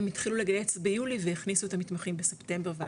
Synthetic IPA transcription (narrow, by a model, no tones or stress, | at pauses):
mitχilule̞ɡaje̞t͡sbejuliveiχnisuet̪amitmaχimbesepte̞mbeʁva